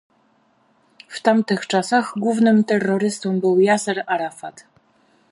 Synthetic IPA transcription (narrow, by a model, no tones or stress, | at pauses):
ft̪amt̪ɘxt͡ʂasaɣɡwuvnɘmt̪ɛrːɔɾɘst̪ɔmbɘwjasɛɾaɾafat̪